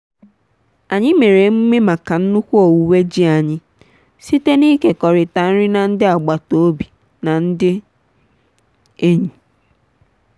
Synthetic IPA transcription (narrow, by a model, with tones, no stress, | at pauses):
a˨ɲɪ˦me˨ɾe˨m̩˦me˦ma˨ka˨n̩˦nu˦kʷu˦ɔ˨wu˨we˦d͡ʒi˦a˨ɲɪ˦ | si˦te˦ni˦ke˨kɔ˨ɾɪ˨ta˨n̩˦ɾɪ˦na˨n̩˦dɪ˦a˨ɡ͡ba˨to˨o˦bi˨ | na˨n̩˦dɪ˦ | e˦ɲi˨